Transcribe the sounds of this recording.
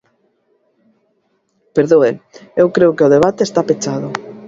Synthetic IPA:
peɾðoeewkɾeʊkeʊðeβat̪eːst̪apet͡ʃaðʊ

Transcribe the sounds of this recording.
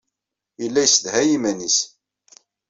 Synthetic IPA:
jəlːæjsəðhæjimænis

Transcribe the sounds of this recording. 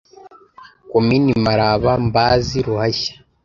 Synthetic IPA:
kominimaɾaβambaːziɾuhaçḁ

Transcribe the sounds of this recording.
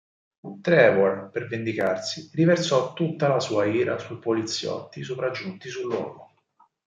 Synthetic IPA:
ut̪ɾɛvɔrpervend̪ikarsirivert̪sɔt̪ːut̪ːalasuːaiːɾasujpolit̪sːjɔ̰t̪ːisopɾad͡ʒːunt̪isulːwɔ̰ːɡo

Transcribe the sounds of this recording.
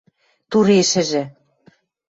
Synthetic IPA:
t̪uɾeʃɘ̆ʒɘ̆

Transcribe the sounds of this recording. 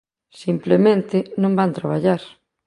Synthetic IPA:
simplemẽnt̪ɪnõmbant̪ɾaβ̞aʎaɾ

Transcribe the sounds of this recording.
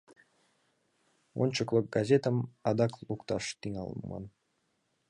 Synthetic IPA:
o̰nʲt͡ɕəklˠək̚ɡɑzʲet̪əmɑd̪ɑklˠukt̪ɑʃt̪iŋɑ̰lˠmmɑ̰n

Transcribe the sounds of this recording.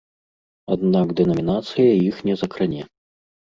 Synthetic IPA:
ad̪naɡd̪ɛnɐmʲinat̪sɨjɐjixnʲɛzɐkɾɨnʲɛ

